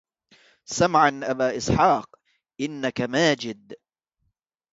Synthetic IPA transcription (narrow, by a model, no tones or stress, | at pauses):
samʕanʔabaːʔɪsˤħɑːq | ʔɪnːakamaːd͡ʒɪd̪